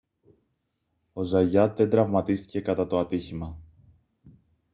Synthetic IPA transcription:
o̞zɐʝɐt̪ðe̞nd̪ɾɐvmɐt̪ist̪i̥ce̞kɐt̪ɐt̪o̞ɐt̪içimɐ

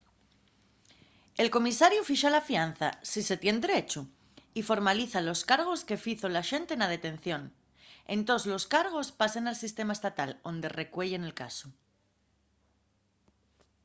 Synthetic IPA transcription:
e̞lko̞misaɾjufiʃalafian̟θa̰sise̞t̪je̞nd̪eɾet͡ʃu | ifo̞ɾmaliθalo̞skaɾɣ̞o̞ske̞fiθolaʃe̞nt̪enað̞e̞t̪ẽ̞n̟θjo̞n | e̞̰nt̪ozlo̞skaɾɣ̞o̞spase̞nalsist̪e̞mae̞st̪at̪alo̞nd̪e̞re̞kwe̞ʝe̞ne̞lkaso

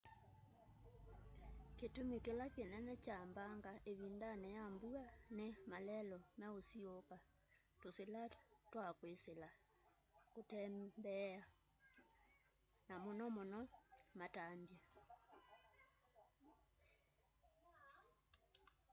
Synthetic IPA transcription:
ketumikelakenɛnɛt͡ʃambaŋɡaʔeβindanɛjambuanemalɛlɔmaosioka | toselatwakwesela | kotɛmbɛa | namonɔmonɔmatambja

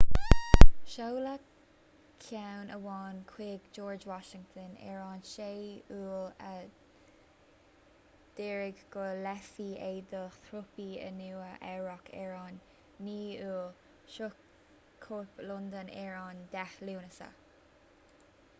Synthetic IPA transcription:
ʃowla | kʰawnʔəwɑːnkʰweːɡd͡ʒɔːɹd͡ʒwɑʃɪŋt̪ʰənɛ̰ːɹɑːnʃeːuːlə | d̪̥ɛːɹɪɡɡ̥əlɛfied̪əθɹʊpiə̰nuːəʔɛɹɔkʰɛːɹɑːnː | iːuːl | ʃʊk | kʰːoplʊnd̪ənɛːɹɑːnd̪̥ɛxluːnəsə̰

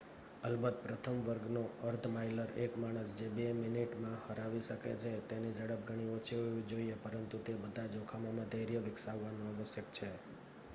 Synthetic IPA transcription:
əlbət̪̚pɾət̪ʰəmʋəɾɡnoəɾt̪ʰmajləɾekmaɽ̃əsd͡ʒebemɪniʈmãhəɾaʋiʃəkḛt͡ʃʰet̪enid͡ʒəɽəp̚ɡʱəɽ̃iot͡ʃʰiɦojũd͡ʒoiepəɾənt̪ut̪ebəd̪ʱad͡ʒokʰamamãd̪ʱəɦɾjəʋɪksaʋːanõəʋəsjək̚t͡ʃʰe

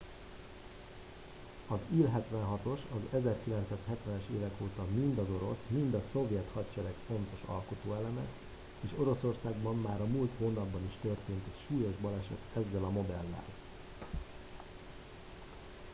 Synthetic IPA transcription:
ɒzilɦɛt̪ʋɛnɦɒt̪o̞ʃɒzɛzɛrkilɛnt̪saːshɛt̪ʋɛnɛʃeːvɛkoːt̪ɒmind̪ɒzo̞ɾo̞̰smind̪ɒso̞vjɛt̪hɒtt͡ʃɛɾɛkfo̞nt̪o̞ʃɒ̰lko̞t̪oːɛlɛmɛ̰ | eːʃoɾo̞so̞rsaːɡbɒmːaːɾɒmuːlt̪hoːnɒbːɒniʃt̪ø̞rt̪eːnt̪ɛcʃuːjo̞ʒbɒlɛʃɛ̰t̪ɛzːɛlɒmo̞d̪ɛlːɛ̰l

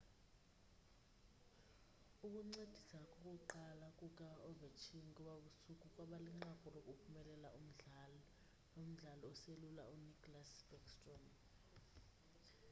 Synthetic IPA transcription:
uk̬ʼuŋ͡ǀed̥ʱisakʼɔkʼuǃalakʼuk̬ʼaɔvɛt͡ʃʰinikʼuɓaɓusukʼukʼwaɓaliŋ͡ǁakʼɔrokʼupʰumɛlɛla̰ʔum̩ɮalɔ | om̩ɮalɔɔselula̰unikʼɔlasbɔkstʼɔn

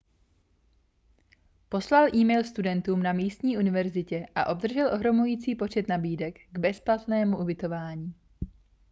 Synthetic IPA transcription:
po̞slalʔiːmɛjlst̪udɛnt̪uːmnamiːst̪ɲiːʔunɪvɛɾzɪcɛʔa̰ʔo̞b̚d̪r̩ʒɛlʔo̞ɦɾo̞mujiːt͡siːpo̞t͡ʃɛt̪nabiːdɛkɡbɛsplat̪nɛːmuʔubɪt̪o̞vaːɲiː

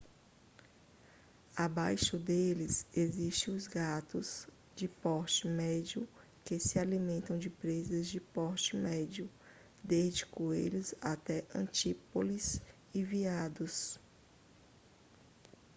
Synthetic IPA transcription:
abajʃʊd̪elɪseziʃt̪ẽʊzɡat̪ʊz | d͡ʒɪpɔɾt͡ʃɪmɛd͡ʒjʊ | kesɪalimẽnt̪ɐ̃w̃d͡ʒɪpɾezɐzd͡ʒɪpɔɾt͡ʃɪmɛd͡ʒiʊ | d̪ezd͡ʒɪkuḛʎʊzat̪ɛʔɐ̰̃t͡ʃipoliz | iviad̪ʊs

